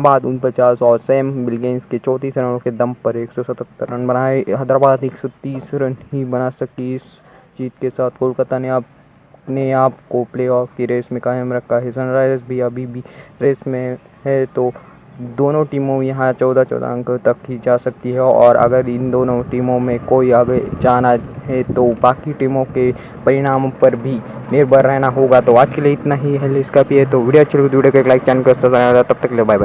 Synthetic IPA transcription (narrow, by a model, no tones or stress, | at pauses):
baːd̪ʊnpət͡ʃaːsɔːɾseːmbɪlɡẽːnsket͡ʃɔːt̪iːsɾənõked̪ɐmpɐɾeːksɔsɐt̪ət̪ːəɾɐnbɐnaːeɦɐd̪ɾabaːd̪eːksɔt̪iːsɾɐnɦibɐnasɐktiɪs | t͡ʃiːt̪kesaːt̪ʰkoːlkɐt̪aneaːp | neaːpkopleːɔːfkiɾeːsmẽkaːəmɾɐkʰaɦɛsənɾaːɪzbʱiɐbʱibʱiɾeːsmẽ | ɦɛt̪o | d̪oːnõʈiːmõmẽjɐɦãt͡ʃɔːd̪at͡ʃɔ̰ːd̪ã̰ŋkt̪ɐkɦid͡ʒaːsɐk̚t̪iɦɛɔ̰ːɾɐ̰ɡəɾɪ̃nd̪oːnõʈiːmõmẽkoːiaɡed͡ʒaːnaɦɛt̪obaːkiʈiːmõke | pɐɾɪɽ̃aːmpɐɾbʱineːɾbʱəɾɾɛɦnaɦoːɡat̪oaːd͡ʒkelieɪt̪naɦiɦelɖɪskaːpiɦɛt̪oʋiːɽijoɐʃʰəlːkod̪uiːɖekoeːklaːɪk̚t͡ʃɛːnkəst̪asɐɾd̪at̪ɐb̚t̪ɐkːlebaːjb